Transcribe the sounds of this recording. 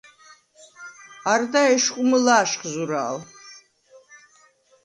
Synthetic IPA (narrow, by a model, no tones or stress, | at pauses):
ard̪aɛʃqʷʼʊmɨlaːʃχzuɾa̰ːl